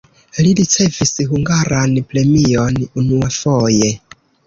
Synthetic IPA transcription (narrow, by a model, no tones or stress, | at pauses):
liɾit͡se̞visɦuŋɡaɾanpɾe̞mionunuafoje